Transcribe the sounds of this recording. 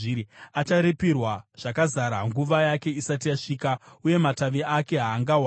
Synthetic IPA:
at͡ʃaɾepirwaʐ̥akazaɾaŋɡuʋajake̞isat̬ijaʂiːkauje̞mataʋiʔake̞ɦaːŋɡawa

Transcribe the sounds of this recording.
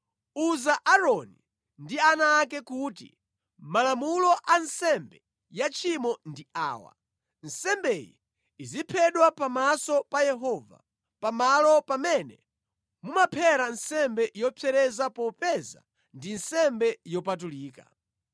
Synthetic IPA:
uzaʔaɾɔni | ndianaːkɛkutḭ | malamulɔʔansɛmbɛ | jat͡ʃʰimɔndia̰ːwa̰ | nsɛmbɛjḭː | zipʰɛɗwapamasɔpajɛɦɔva̰ | pamalɔpamɛnɛ | mumapʰɛɾansɛmbɛjɔpʰɛɾɛzapɔpɛza̰ | ndinsɛmbɛjɔpatuliːka̰

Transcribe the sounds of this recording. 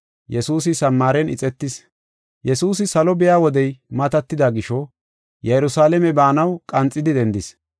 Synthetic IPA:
jɛsuːs̬ɪsɐmːaːɾɛnɪ̰t͡sʼɛt̪ːɪs | jɛsuːs̬ɪsɐlɔbɪjaːwɔd̪ɛjmɐt̪ɐt̪ːɪd̪aɡɪʃɔ | jɛjɛɾʊsaːlɛmɛbaːnɐwkʼɐnt͡sʼːɪd̪ɪd̪ɛnd̪ɪs

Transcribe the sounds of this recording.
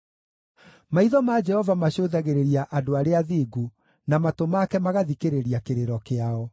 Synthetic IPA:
maiðɔmad͡ʒɛhɔvamaɕoðaɣeɾeɾiaʔadoaɾeaðiɡu | namatomakɛmaɣaðikeɾeɾiakeɾeɾɔkeaɔ

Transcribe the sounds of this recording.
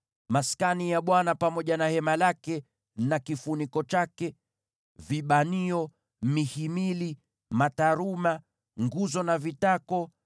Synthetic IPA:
maskanijaɓwanapamɔʄanahɛmalakɛ | nakifunikɔt͡ʃakɛ | viɓaniɔ | mihimili | mataɾuma | ŋɡuzɔnavitakɔ

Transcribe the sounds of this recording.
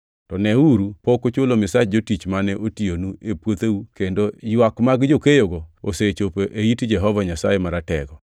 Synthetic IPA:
tɔnɛuɾupokot͡ʃolomɪsat͡ʃd͡ʒotit͡ʃmanɛʔotionuepwot̪eukendojwakmaɡd͡ʒokejoɡɔoset͡ʃopoʔeitd͡ʒɛɦɔvaɲasajemaɾatɛ̰ɡɔ

